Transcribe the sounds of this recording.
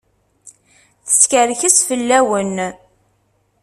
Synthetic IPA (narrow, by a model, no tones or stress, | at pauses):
θə̥skəɾçəsfəlːæwən